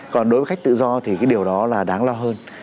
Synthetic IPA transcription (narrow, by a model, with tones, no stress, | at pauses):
kɔ˨˩nɗo˨˦vəː˨˦xa˦˥k̚t̪ɨ̰˧˨zɔ˧t̪ʰi˨˩kaː˨˦jɗi˨˩əwɗɔ˨˦laː˨˩ɗaː˨˦ŋlɔ˧ɦəː˧n